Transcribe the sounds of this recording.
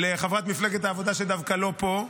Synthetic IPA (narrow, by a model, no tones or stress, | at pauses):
leχavʁat̪mifleɡet̪haːvo̞d̪aʃed̪avkalo̞po